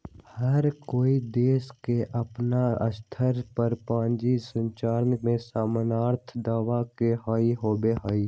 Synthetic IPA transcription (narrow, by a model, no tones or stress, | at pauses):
həɾkoːid̪eːskeʔəpnaə̰st̪ʰəɾpəɾpãːnd͡ʒisə̃ɲt͡ʃaːɾənmẽsaːmənaːɾt̪ʰd̪aːʋakeɦɔːiɦoːbeɦɔːiː